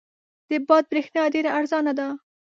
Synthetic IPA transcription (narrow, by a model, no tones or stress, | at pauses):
d̪̥əbɑd̪̚bɾexnɑɖeɾaʔːɾzɑnad̪a